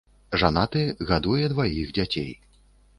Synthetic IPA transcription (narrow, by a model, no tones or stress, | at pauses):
ʐanat̪ɨɣad̪ujɛd̪vajiɣd͡zʲat͡sʲḛj